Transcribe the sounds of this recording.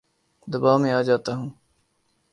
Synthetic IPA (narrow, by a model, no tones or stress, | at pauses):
d̪əbaːʋmẽaːd͡ʒaːt̪aːɦũː